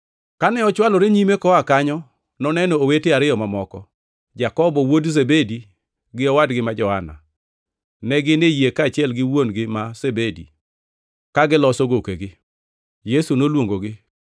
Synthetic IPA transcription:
kanɛɔt͡ʃwalɔɾeɲimekɔakaɲɔ | nɔnɛnɔoweteaɾɪɔmamɔkɔ | d͡ʒakɔbɔwodzebedi | ɡɪɔwadɡɪmad͡ʒɔhana̰ | nɛɡɪnejekaːt͡ʃɪɛlɡɪwonɡɪmasebedḭ | kaɡɪlɔsoɡokeɡɪ | jesunolwoŋɡoɡɪ

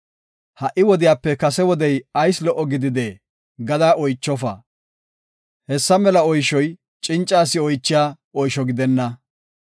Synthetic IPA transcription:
hɐʔːɪwɔd̪ɪjaːpːɛkɐsɛwɔd̪ɛjɐjslɔʔːɔɡɪd̪ɪd̪eː | ɡɐd̪aːʔɔjt͡ʃːɔfɐ̰ | hɛsːɐmɛlɐɔjʃɔj | t͡ʃʼɪnt͡ʃʼːaːsɪɔjt͡ʃːɪjaː | ɔjʃɔɡɪd̪ɛnːɐ

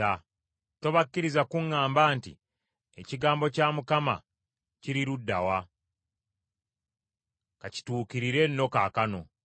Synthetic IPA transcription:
a | to̞βakːiɾizakuŋːaːmbaːntḭ | eciɡaːmbo̞caːmukama̰ | ciɾiɾudːa̰wa | kaci̥tuːkiɾiɾe̞nːo̞kaːkano̞

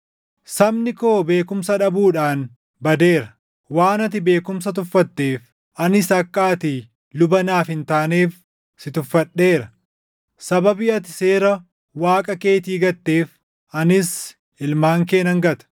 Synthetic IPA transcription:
sɐbnɪko̞ːbe̞ːkʊmsɐᶑɐbuːᶑaːn | bɐd̪e̞ːɾɐ | waːnɐt̪̬ɪbe̞ːkʊms̬ɐt̪̬ʊfːɐt̪ːe̞ːf | ʔɐnɪsɐkːaːt̪ɪ | lʊbɐnaːfɪnt̪aːneːf | sɪt̪ʊfːɐɗːe̞ːɾɐ | sɐbɐbɪɐt̪ɪ̥se̞ːɾɐ | waːkʼɐke̞ːt̪iːɡɐt̪ːe̞ːf | ɐnɪs | ɪlmaːŋk̬e̞ːnɐŋɡɐt̪ɐ̥

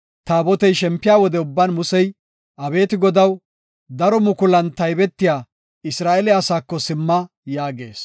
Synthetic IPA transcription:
t̪aːbɔt̪ɛjʃɛmpːɪjaːwɔd̪ɛʊbːɐːnmʊsɛj | ʔɐbe̞ːt̪ɪɡɔd̪ɐw | d̪ɐɾɔmʊkʊlɐnt̪ɐjbɛt̪ːɪjaː | ɪsɾaːʔɛlɛɐsaːkːɔsɪmːɐ | jaːɡe̞ːs

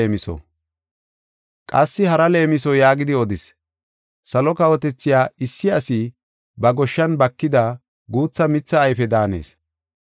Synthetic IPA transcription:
mɪsɔ̰ | kʼɐsːɪɦɐɾɐle̞ːmɪs̬ɔjaːɡɪd̪ɪɔd̪ɪs | sɐlɔkɐwɔt̪ɛt͡sːɪjaːɪsːɪɐsɪ | bɐɡɔʃːɐnbɐkːɪd̪ɐ | ɡuːt͡sːɐmɪt͡sːɐːjfɛd̪aːne̞̰ːs

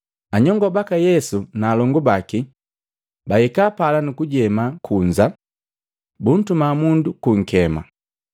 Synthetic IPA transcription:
aɲɔŋɡɔbakajɛsunaːlɔŋɡɔbaki | bahɛkaːpalanukuɟɛmakʰuɲd͡ʒa | bun̩tumamundukuŋ̩kɛma̰

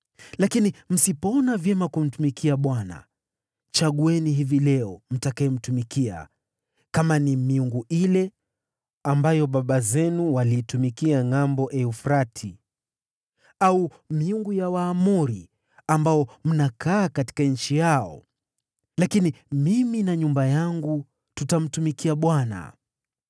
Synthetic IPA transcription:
lakinim̩sipɔnavjɛmakum̩tumikʰiaɓwana̰ | t͡ʃaɠuɛniɦivilɛɔm̩takaɛm̩tumikia̰ | kamanimiuŋɡuilɛ | ambajɔɓaɓazɛnuwaliːtumikiaŋambɔʔɛufɾatʰi | au | miuŋɡujawaːmuɾi | ambaɔm̩nakʰaːkati̥kaɲ̩t͡ʃijaɔ̰ | lakinimiminaɲumbajaŋɡu | tutam̩tumikiaɓwana̰

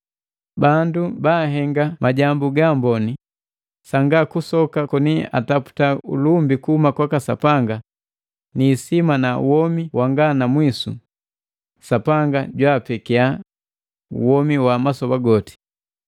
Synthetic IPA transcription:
bandubaːɦɛŋɡamʔaɟambuɡambɔni | saŋɡakusɔkakɔnia̰tapu̥taṵlumbikuhumakwakasa̰paŋɡa | niːsimanaṵwɔmiwʔaŋɡanamwisṵ | sapaŋɡaɟwaːpɛkia | ṵwɔmiwamasɔbaɡɔti̥

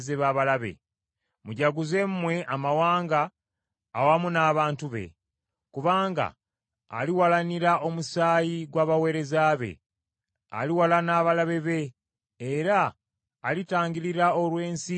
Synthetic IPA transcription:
zeβaːβalaβe̞̰ | muɟaɡuze̞mmwe̞ʔamawaːŋɡaː | wamunaːβaːntuβe̞̰ | kuβaːŋɡa̰ː | liwalaniɾaʔo̞musaːjiɡwaːβawe̞ːɾe̞zaːβe̞̰ | a̰liwalanaːβalaβe̞βe̞ː | ɾaː | litaːŋɟiliɾao̞lwe̞ːnsi

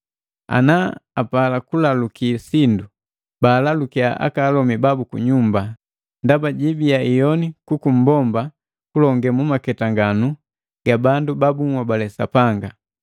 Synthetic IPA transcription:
a̰naapalakulalukisindu | baːlalukiaʔa̰kaːlɔmibabukṵɲumba | ndabaɟibiaijɔnikukum̩bɔmba | kulɔŋɡɛmumakɛtaŋɡanu | ɡ̥abandubabuŋwabalɛsa̰paŋɡa

